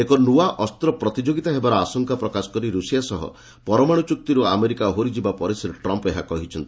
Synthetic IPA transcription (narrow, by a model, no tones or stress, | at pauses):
ekɔnuaʔɔst̪ɾɔpɾɔt̪id͡ʒoɡit̪aɦebaɾɔasɔŋkapɾɔkasɔ̥kɔɾiɾusijasɔɦɔ̰ | pɔɾɔmaɽ̃ut͡ʃuk̚t̪iɾuameɾikaɦoɾid͡ʒibapɔɾesɔɾeʈɾɔmpeɦa̰kɔɦit͡ʃʰɔnt̪i